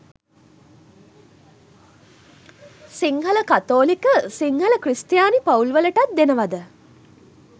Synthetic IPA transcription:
siŋɦələkat̪oːlikəsiŋhələkrist̪jaːnipaulʋələʈat̪̚d̪enəʋad̪ə

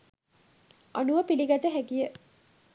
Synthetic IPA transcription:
anuʋəpiliɡat̪əɦæɡijə

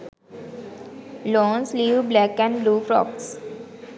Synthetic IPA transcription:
lɔ̃ːnsliːʋblækɛ̃ɳɖbluːfɾɔ̰ːks

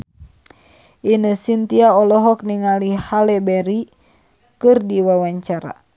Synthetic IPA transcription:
ʔinəsint̪iaɔlɔɦɔk̚niŋalihalɛbɛɾi | kɨrdiwawaɲt͡ʃaɾa̰

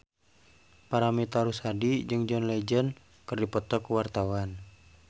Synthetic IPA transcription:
paɾamit̪aɾusadid͡ʒɨŋd͡ʒɔnlɛd͡ʒən | kɨrdipɔt̪ɔkːwart̪awan

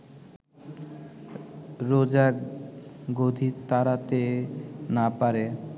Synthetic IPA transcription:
ɾod͡ʑa | ɡod̪ʱit̪aɾat̪enapaɾe

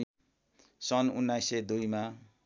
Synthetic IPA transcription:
sʌnunːajsed̪ujma

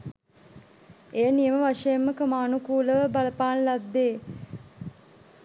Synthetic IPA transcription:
eənijəməʋaʂejemːəkəmaːnukuːləʋəbaləpaːnlad̪ːeː

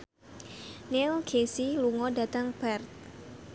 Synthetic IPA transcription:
nɛlɡesiluŋɔdat̪aŋbɛrt̪̚

